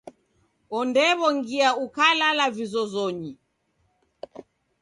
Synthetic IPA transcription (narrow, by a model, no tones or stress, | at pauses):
ɔndɛβɔŋɡiaukalalavizɔzɔɲi